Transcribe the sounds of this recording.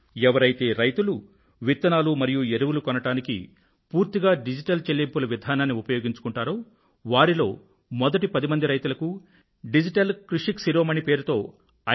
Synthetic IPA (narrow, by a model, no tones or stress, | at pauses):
ɛʋɐɾɐjt̪e̞ːɾɐjt̪ulu | ʋit̪ːɐnaːlumɐɾijueɾuʋulukɔnɐʈaːnikḭ | puːɾt̪iɡaːɖid͡ʒiʈɐlt͡ʃelːempulɐʋid̪ʱaːnaːnːiupɐjo̞ːɡiɲt͡ʃu̥kuɳʈaːɾoː | ʋaːɾilo̞ː | mɔd̪ɐʈipɐd̪imɐnd̪iɾɐjt̪ulɐku | ɖid͡ʒiʈɐlkɾuʂiksiɾoːmɐnipe̞ːɾut̪o̞ː | ɐ